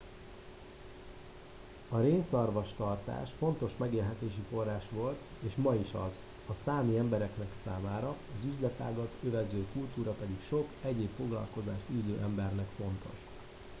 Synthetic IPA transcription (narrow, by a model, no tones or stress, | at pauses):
ɒɾeːnsɒrvɒʃt̪ɒrt̪a̰ːʃfo̞nt̪o̞ʃmɛɡeːlɦɛt̪eːʃifo̞rːaːʃʋo̞lt̪ | eːʃmɒiʃɒz | ɒsaːmiɛmbɛɾɛknɛksaːmaːɾɒɒzyzlɛt̪a̰ːɡɒt̪ʰøvɛzøːkult̪uːɾɒpɛd̪ikʃo̞kɛɟeːpfo̞ɡlɒ̰lko̞zaːʃt̪yːzøːʔɛmbɛrnɛkfo̞nt̪ʰo̞̰ʃ